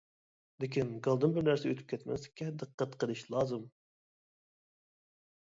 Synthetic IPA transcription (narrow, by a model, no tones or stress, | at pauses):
lɪkʲʰinɡɑlˠd̪ɨnbɪɾnæɾsɛøt̪ʰy̥p̚kʲʰɛt̪mɛ̰skʲʰɛnd̪ɨqːət̪qəd̪ɨʃlˠɑːzɨm